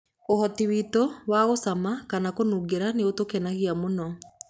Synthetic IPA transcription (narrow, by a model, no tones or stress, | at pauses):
ohɔtiwitowaɣosamakanakonuɡeɾaneotokɛnaɣiamonɔ